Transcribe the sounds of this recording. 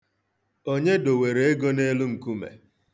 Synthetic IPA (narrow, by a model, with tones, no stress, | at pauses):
o˦ɲe˦do˨we˨ɾe˨e˦ɡo˦ne˦lʊu˦ŋ̩˨ku˦mḛ˨